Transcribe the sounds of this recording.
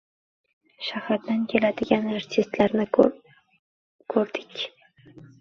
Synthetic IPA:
ʃahɾat̪̚d̪ankʲʰe̞lad̪ɪɡʲanaɾt̪ʰɪst̪laɾnɪ | kʰɵɾd̪ɪkʲ

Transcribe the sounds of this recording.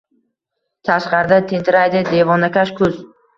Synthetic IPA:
t̪ʰaʃqɑɾɪd̪at̪ʰent̪ʰɪɾajd̪ɪd̪e̞vɒnakʲaʃkʰʊz̥

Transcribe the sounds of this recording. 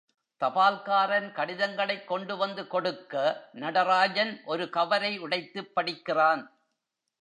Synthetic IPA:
t̪ɐpaːlkaːɾɐnkɐɽɪðɐŋɡɐɭɐɪkːɔɳɖɯʋɐnd̪ɯkɔɽɯkːɐnɐɽɐɾaːd͡ʒɐnʔɔɾɯkɐʋɐɾɐɪʊɽɐɪt̪ːɯpːɐɽɪkːɪraːn

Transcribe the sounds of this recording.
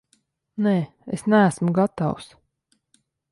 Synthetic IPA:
neː | esnæːsmuɡat̪aws

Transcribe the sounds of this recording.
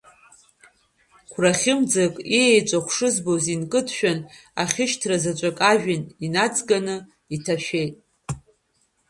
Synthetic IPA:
kʷʰraχʲɪmd͡zakʼiejt͡ʃʷʼaχʷʰʂɨzbozinkʼɨtʰʃᶣana̰χʲɪʃtʰrazat͡ʃʷʼakʼaʒᶣaninat͡sʼɡʼanɨ | itʰaʃᶣe̞jtʼ

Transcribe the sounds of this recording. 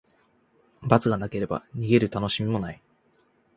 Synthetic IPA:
bat͡sɨɡanake̞ɾe̞ba̰ɲ̟iɡe̞ɾɯ̟t̪ano̞ɕimʲimo̞nai

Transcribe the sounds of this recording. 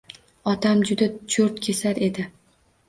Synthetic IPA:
ɒt̪ʰamd͡ʒʊd̪at͡ʃʰʊɾt̪kʲʰe̞saɾe̞d̪ɪ

